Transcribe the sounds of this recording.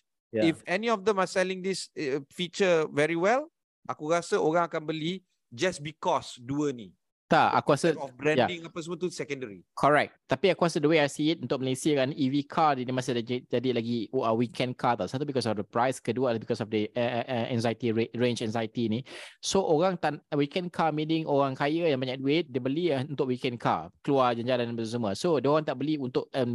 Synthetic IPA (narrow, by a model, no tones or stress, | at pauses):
jaifɛniɔfd̪ɛ̃masɛlĩŋdisfit͡ʃəvɛɹiwɛl | ʔakuɾasəoɹãŋakãnbəli | d͡ʒasbikɔsduəni | t̪aʔa̰kuɾasəbɾɛ̃jadĩŋapəsmət̪usɛkɔ̃ndəɹikʰɔɹɛk̚t̚t̪apiakuasədəweajsiːt̪̚unt̪ʊk̚məlesiakaniwikʰadinĩmasədad͡ʒadilaɡiəwikʰɛ̃nkʰat̪asat̪ubikɔsɔfdəpɾajskədualabikɔsɔfdəəəʔɛ̰̃nzait̪iɹent͡ʃɛ̃nzajt̪inĩsoʔoɾaŋt̪aʔwikɛ̃nkʰamidɪŋoɾaŋkajəjaŋbaɲãʔduɪt̪̚dəbəliunt̪ʊʔ̚wikɛ̃nkʰa̰kəluad͡ʒaɲd͡ʒalandbəsəs̬əmũəsodiəoɣaŋt̪aʔbəliunt̪ʊʔə